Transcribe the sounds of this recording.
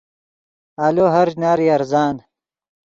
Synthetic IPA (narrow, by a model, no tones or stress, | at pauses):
aːloːɦɐɾd͡ʑnaːɾiɐɾzaːn